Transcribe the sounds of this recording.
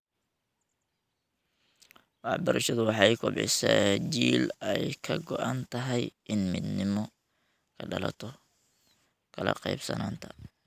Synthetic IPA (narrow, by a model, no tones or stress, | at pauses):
wɑħbɐɾɐʃɐðʊwɑħɑjkʰʊbɪ̰sɛt͡ʃiːlɛjkʰɐɡɔʔant̪ʰɐɦɛjʔɪnmɪd̪nɪmɔ | kʰɐɖɐlɐ̰t̪ʰɔ | kʰɐlɐ̰qɑjbsɐ̰naːnt̪ʰɐ